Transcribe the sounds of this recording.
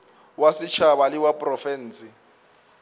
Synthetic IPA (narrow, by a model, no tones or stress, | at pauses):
wasɪt͡ʃʰabalɪwapʼrɔfɛn̩ːsɪ